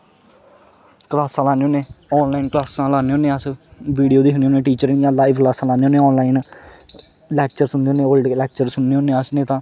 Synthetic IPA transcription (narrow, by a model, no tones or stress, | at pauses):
klaːsãːlaːneːoːneːɔːnlaːinklaːsãːlaːneːoːnẽːəsʋiːɖijoːd̪iːsʊnːoːnẽːʈiːt͡ʃəɾjãːlaːiʋklaːsãːlaːneoːneːɔːnlaːiːn | lɛːkt͡ʃəɾsʊneːoːnẽːəlɖlɛːk̚t͡ʃəɾsʊnːeːoːnːeːəsnẽːt̪ãː